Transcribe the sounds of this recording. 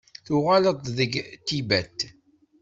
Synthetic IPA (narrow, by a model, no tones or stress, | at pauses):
θʊʁaləðˤðəɡt̪ːibæt̪ː